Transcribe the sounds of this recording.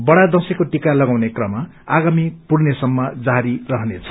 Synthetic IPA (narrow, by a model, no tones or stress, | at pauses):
bʌɽad̪ʌsekoʈikalʌɡawnekrʌmːa | aɡamipurnesʌmːʌd͡zaɾirʌɦʌnet͡sʰʌ̥